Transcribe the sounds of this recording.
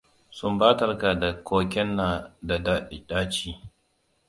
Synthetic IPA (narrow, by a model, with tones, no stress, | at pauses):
sʊ˦mbaː˦tɐ˨rka˨da˨kʰoː˦kʲɛ˦nːa˨da˨daː˦ʔɪ˨ɗaː˦t͡ʃiː˦˨